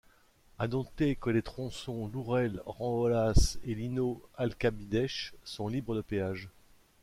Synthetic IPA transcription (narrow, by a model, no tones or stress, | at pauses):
anɔ̃t̪ekəlet̪χɔ̃sɔ̃luʁɛlʁɑ̃ɔlaselinoalkabid̪ɛʃsɔ̃libʁəd̪əpeaʒ